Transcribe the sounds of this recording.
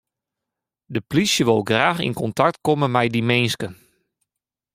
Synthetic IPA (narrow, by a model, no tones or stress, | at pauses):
dəplisjəʋolˠɡraːxḭnkɔntak̚tkomənmɛjdimenskən